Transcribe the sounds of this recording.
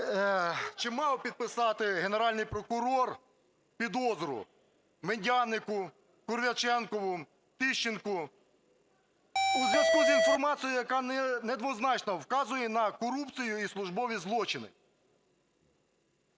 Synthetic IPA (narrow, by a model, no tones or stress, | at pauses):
t͡ʃɪmɑwpʲid̪̚pɪsɑt̪ɪɦeneɾɑlʲnɪjpɾɔkʊɾɔr | pʲid̪ɔzɔɾʊ̰ | menʲdʲɑnɪkʊ | kʊrʋʲɐt͡ʃɛnkɔʋʊ | t̪ɪʃt͡ʃɪnkʊ | uzʋʲjɐskuzinfɔrmɑt͡sʲijʊjɐkɑnned̪ʋɔznɑt͡ʃnɔwkɑzʊjɛnɐkɔɾupt͡sʲijʊislˠʊʒbɔʋʲizlˠɔt͡ʃɪnɪ̰